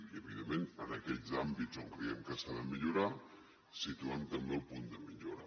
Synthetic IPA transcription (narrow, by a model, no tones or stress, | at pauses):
iəβiðemmenənəkɛd͡zambizoŋkɾə̰ɛmkəsaðəmiʎuɾa | sit̪uamt̪əmbelˠpund̪əmiʎoɾə